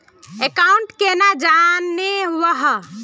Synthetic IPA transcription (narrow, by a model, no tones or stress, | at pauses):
ekauɳʈkenad͡ʒanːeʋəɦ